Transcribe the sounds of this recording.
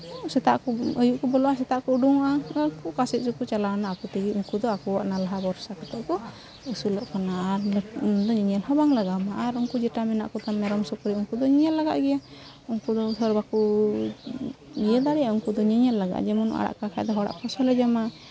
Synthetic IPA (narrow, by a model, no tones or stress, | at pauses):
sɛt̪aʔkɔəjuʔkɔbɔlɔasɛt̪aʔkɔuɖuŋaʔaəkukasɛʔ̪̚sukut͡ʃalaɔnaːkut̪iɡiuŋkud̪ɔakɔwaʔnalaɦabɔɾsakɔt̪ɛʔkɔ | əsulɔʔkanaɾd̪ɔɲəɲɛlɦɔbaŋlaɡamaʔːɾuŋkud͡ʒɛʈamɛna̰ʔkɔt̪amɛɾɔmsɔkɔɾiuŋkud̪ɔɲəɲɛlːaɡa̰ʔɡɛja | uŋkud̪ɔsɔɾbaku | ɡijəd̪aɽɛauŋkud̪ɔɲəɲɛlːaɡa̰ʔd͡ʒɛmɔnɔ̰ʔa̰ɽa̰ʔkakʰajd̪ɔɦɔɽa̰ʔpɔsɔlɛd͡ʒama